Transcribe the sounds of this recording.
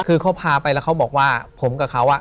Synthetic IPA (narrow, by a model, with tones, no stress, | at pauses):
kʰɯː˧kʰa˦˥wpʰaː˧pa˧jlɛ˦˥wkʰa˦˥wbɔː˨˩k̚waː˥˩pʰo˩˦mka˨˩kʰa˦˥wʔa˨˩